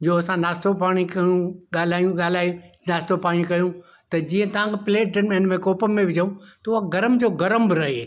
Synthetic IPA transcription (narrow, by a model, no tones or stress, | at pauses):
d͡ʑoːɐsãnaːst̪opaːɽ̃ikɐjũɠaːl̤aːjũɠaːl̤aːjũ | naːst̪opaːɽ̃ikɐjũ | t̪ɐd͡ʑiːə̃t̪ɐʋ̤ãkʰepɪleːʈɖənenmẽkoːpəːẽʋɪd͡ʑəũt̪ɐʊaɡɐɾəmd͡ʑoːɡɐɾəmbɪɾɐɦe